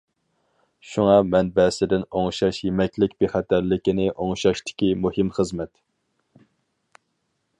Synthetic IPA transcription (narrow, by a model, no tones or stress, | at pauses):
ʃuŋɑmɛnbɛsɪd̪ɪnoŋʃɑʃjemɛkʲlɪkʲbeχɛt̪ʰæɾlɪkʲinɪʔoŋʃɑʃt̪ɪ̥kʲimuhɪmχəzmɛt̪